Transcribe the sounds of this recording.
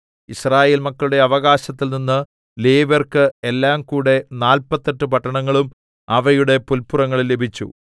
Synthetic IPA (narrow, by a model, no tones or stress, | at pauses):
israːje̞ːlmɐkːɐɭuɽe̞ɐʋɐɣaːɕɐt̪ːilninːɨ | leːʋɐrkɨelːaːmkuːɽe̞naːlpɐt̪ːeʈːɨpɐʈːɐɳɐŋːɐɭum | ɐʋɐjuɽe̞pulpːurɐŋːɐɭilːe̞bʱit͡ɕːṵ